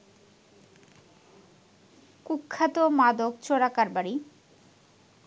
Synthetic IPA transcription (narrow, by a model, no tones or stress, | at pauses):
kukʰːat̪omad̪okt͡ɕoɽakaɾbaɾi